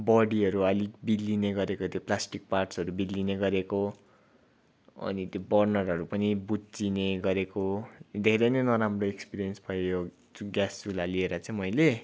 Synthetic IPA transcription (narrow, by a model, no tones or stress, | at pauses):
bʌɽiʌɾuʌliɡbilːineɡʌɾekot̪joplasʈik̚parʈsʌɾubilːineɡʌɾeko | ʌ̰nit̪jobʌrnʌrɦʌɾupʌnibut͡sineɡʌɾekod̪ʱeɾejnʌjnʌɾamroekspiɾijʌnsbʱʌjojo | uɡasulalieɾʌt͡sʌ̃ĩmʌjle